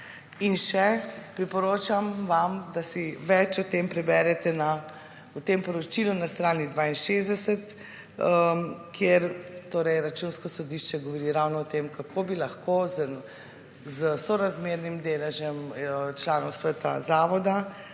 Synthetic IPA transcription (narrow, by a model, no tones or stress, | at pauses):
inʃɛpɾipɔɾoːt͡ʃamʋamd̪asiʋɛt͡ʃɔt̪empɾɛbɛɾɛt̪ɛna | ut̪empɔɾɔt͡ʃilunast̪ɾaːnid̪ʋaːinʃezd̪ɛsɛt̪ | əkʰjeɾt̪oːɾɛjɾat͡ʃuːnskɔsɔd̪iʃt͡ʃɛɡɔʋɔɾiɾawnɔɔt̪emkakʰoːbilaxkoz | zəsɔɾazmeːɾnimd̪eːlɛʒɛmt͡ʃlaːnɔwsʋɛt̪a̰zaːʋɔd̪a